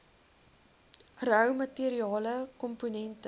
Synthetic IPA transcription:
rœwmɐtiəɾiɑːləkɔmponɛntə

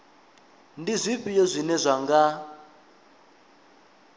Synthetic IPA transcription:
ndizʷiɸʼijɔzʷinɛzʷaŋɡa

